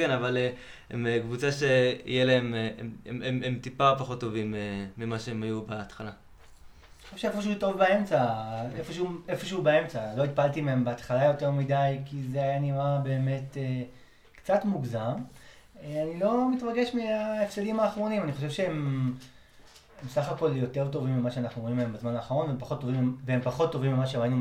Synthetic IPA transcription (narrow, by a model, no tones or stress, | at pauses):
kenavale | ḛmekvut͡saʃeḭjeleememememt̪ipaopaχo̞tːo̞vimeːimaʃeemajubeːt̪χala | oʃevʃeefoʃ̬euto̞vbae̞mt͡saefoʃuefo̞ʃeubee̞mt͡salo̞it̪palt̪imeembeat̪χalajo̞teʁmidajkizeajaniʁabe̞ːme̞te | kt͡satmuɡzam | anilo̞mitʁaɡe̞ʃmeaefselimaːχʁo̞nimaniχoʃe̞vʃeem | emsaχako̞ljo̞te̞ʁt̬o̞vimːimaʃeanaχnuimeembezmanaːχaʁo̞nveempaχo̞t̪ːovimiveempaχo̞tːo̞vimːimaʃemainu